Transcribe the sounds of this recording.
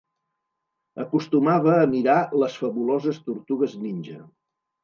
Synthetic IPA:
əkust̪umaβəːmiɾaləsfəβulozəst̪uɾt̪uɣəzninʲʒə

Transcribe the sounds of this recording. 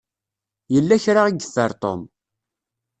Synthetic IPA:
jəlːæçɾaʁiɡθəɾˤt̪ˤo̰m

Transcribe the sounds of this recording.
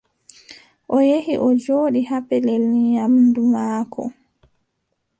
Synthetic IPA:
ʔɔjehiʔɔd͡ʒoːɗihapɛlɛlijamdumaːkʰɔ̰

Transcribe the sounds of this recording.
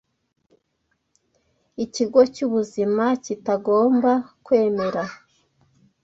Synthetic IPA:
iciɡo̞cuβuzimacitaɡo̞ːmbakwe̞ːme̞ɾa

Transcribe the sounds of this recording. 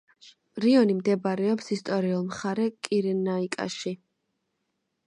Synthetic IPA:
ɾiɔnimd̪ɛbaɾɛɔpsist̪ʼɔɾiulˠmχaɾɛkʼiɾɛnaikʼa̰ʃi

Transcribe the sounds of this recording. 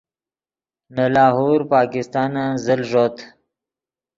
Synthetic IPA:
nalaːɦoːɾpaːkɪst̪ɑːnãzəlʐot̪

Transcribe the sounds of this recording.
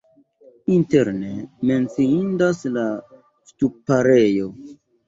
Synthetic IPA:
inte̞ɾne̞me̞nt͡siindasla | stupaɾe̞jo̞

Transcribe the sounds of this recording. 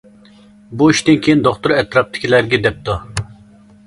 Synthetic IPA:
buiʃt̪ɪnkʲʰejind̪oχt̪ʊɾɛt̪ɾɑp̚t̪ʰɪ̥kʲʰilæɾɡʲɛd̪ɛp̚t̪u

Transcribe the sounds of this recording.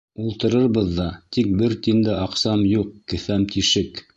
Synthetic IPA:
ulˠt̪ɤ̆ɾɤɾβɤðːɑt̪ik̚bɘɾt̪ind̪ɘʔɑqsɑmjuqkɘ̆θæmt̪iʃɘk

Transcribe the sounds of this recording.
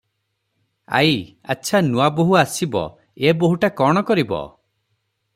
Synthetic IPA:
a̰j | a̰tːʃʰanuaboɦuasibɔ̰ | eboɦuʈakɔɽ̃ɔkɔɾibɔ̰

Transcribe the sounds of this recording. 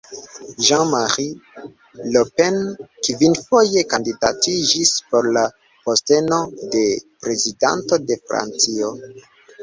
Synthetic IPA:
ʒɑ̃maʁi | lopenkivinfo̞je̞kandidatid͡ʒispo̞ɾla | poste̞no̞de̞pɾe̞zida̰nto̞de̞fɾa̰nt͡sio

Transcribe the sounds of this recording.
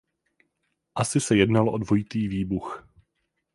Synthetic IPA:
ʔasɪsɛjɛdnalʔo̞dvo̞jɪt̪iːviːbux

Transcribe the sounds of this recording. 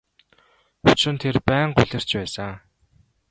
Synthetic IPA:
ʊt͡ɕrɘ̆nt̪ʰerpæːɴɢʊ̰ɮʲɪ̆r̥t͡ɕpæːsə

